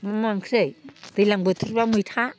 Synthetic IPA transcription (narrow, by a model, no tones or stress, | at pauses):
mamaŋkʰɾɯjd̥ɯjlaŋbɯtʰuɾbamɯjtʰa